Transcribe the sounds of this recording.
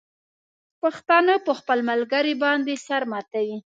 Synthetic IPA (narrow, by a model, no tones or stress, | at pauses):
paxt̪ɑnəpəxpəlmalɡaɾibɑnd̪esaɾmat̪awi